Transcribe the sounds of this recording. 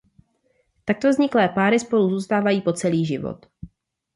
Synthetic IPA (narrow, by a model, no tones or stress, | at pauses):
t̪ak̚t̪o̞vzɲɪklɛːpaːɾɪspo̞luzuːst̪aːvajiːpo̞t͡sɛliːʒɪvo̰t̪